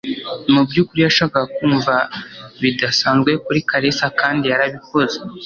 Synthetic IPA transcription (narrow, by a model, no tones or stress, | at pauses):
mubɟuːkuɾijaʃaːkakakuːɱvaβidasaːnzɡwe̞kuɾikʰaɾesakaːndijaɾaβiko̞ze